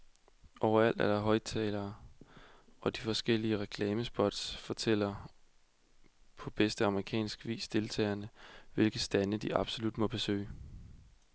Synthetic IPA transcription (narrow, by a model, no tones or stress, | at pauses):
ʔɒʊ̰ɐæl̰d̥æɐɾ̥ɑ̈ɦɒ̽ɪt͡sʰɛːlɐː | ɒ̽d̥ifɒ̽sɡ̥el̰iəʁɛkʰlɛːməsb̥ɒ̽d̥sfɒ̽t͡sʰel̰ɐ | pʰɒ̽b̥esd̥əɑ̈məʁikʰɛ̰ːnsɡ̥ʋḭːsd̥e̝lt͡sʰɛ̰ːɐnəʋe̝lɡ̥əsd̥ænəd̥iɑ̈b̥so̝lud̥mɒ̽b̥e̝sø̰ːɪ